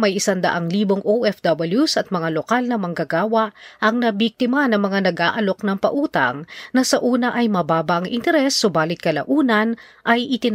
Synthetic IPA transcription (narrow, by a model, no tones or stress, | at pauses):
mɐjʔɪsand̪ɐ̰ʔaŋliːboŋʔoʔɛfd̪ɐbɪljusɐt̪̚mɐŋalokalnɐmɐŋɡɐɡaːwɐʔʔɐŋnɐbik̚t̪ɪmɐnɐŋmɐŋanɐɡʔaːʔɐlo̞knɐŋpɐʔuːt̪ɐ̰ŋnɐsɐʔuːnɐʔɐjmɐbaːbɐʔɐŋʔɪ̰nt̪ɛɾɛsːobaːlɪt̪̚kɐlɐ̰ʔuːnɐnʔɐjʔɪt̪ɪn